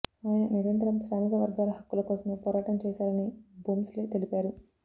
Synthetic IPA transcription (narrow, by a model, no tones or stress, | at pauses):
aːjnɐniɾɐnt̪ɾɐmsɾaːmikɐʋɐɾɡaːlɐɦɐkːulɐkɔːsɐmepɔːɾaːʈɐmt͡ʃɛːsaːɾɐnibuːmsleːt̪elipaːɾu